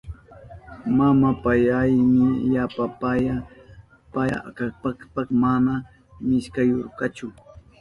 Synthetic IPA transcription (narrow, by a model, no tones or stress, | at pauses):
mamapajajmɪjapapaja | paa̰kapɑkpɑkmana | mɪʃkajoɾkɑt͡ʃʊ